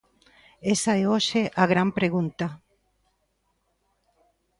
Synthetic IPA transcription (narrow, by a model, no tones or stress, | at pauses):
esaeoʃeʔaɣɾampɾeɣunt̪a